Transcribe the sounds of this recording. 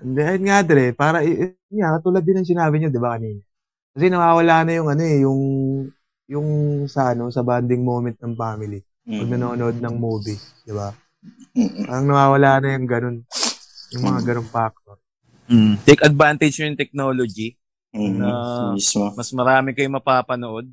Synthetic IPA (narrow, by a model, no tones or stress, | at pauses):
ʔɪnd̪ɛʔɐjɪnŋad̪ɪɾɛpaːɾɐʔ | akɐt̪uːlɐd̪ːɪnɐŋs̬ɪnaːbɪɲod̪ɪbakɐniːnɐ | kɐs̬ɛnɐwaːwɐlaːʔnɐjʊŋɐno̞ɛjʊŋ | jʊŋsɐʔɐno̞sɐband̪ɪŋmo̞ːmɛnt̪̚nɐŋfaːmɪli | wɐɡ̚nɐnoːʔɐnoʔod̪̚nɐŋmuːbid̪̥ɪba | aːɾɐŋnɐwaːwɐlaːʔnːɐjʊŋɡɐno̞n | jʊŋmɐŋaɡɐnoŋfak̚t̪o̞ɾ̩ | t̪ɛjkɐd̪̚vant̪ɐd͡ʒjojʊŋt̪ɛk̚nolod͡ʒi | nɐmsmomɐsmɐɾaːmɪkɐjʊŋmɐpaːpɐnoʔo̞d̪̚